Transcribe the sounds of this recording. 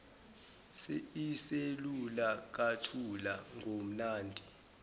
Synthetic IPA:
seiselulak̬atʰulaŋʱom̩naːndʱi

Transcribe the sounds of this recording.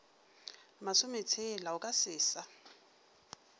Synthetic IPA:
masʊmet͡sʰelaʊkʼasɪːsa

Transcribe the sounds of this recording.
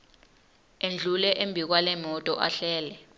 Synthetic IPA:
end͡ɮʱulɛʔembʱik̬walɛmɔtʼɔʔaɬɛːlɛ

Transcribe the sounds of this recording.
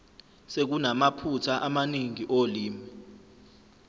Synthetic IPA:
sek̬unamapʰutʰaʔamaniŋiʔoliːmi

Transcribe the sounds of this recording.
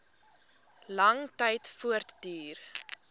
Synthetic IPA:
lɐŋtɛjtfuərtdyːr

